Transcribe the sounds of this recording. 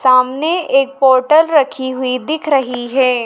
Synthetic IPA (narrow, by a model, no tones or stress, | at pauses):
saːmneeːk̚pɔːɾʈəlɾɐkʰiɦʊid̪ɪkʰɾɐɦiɦɛː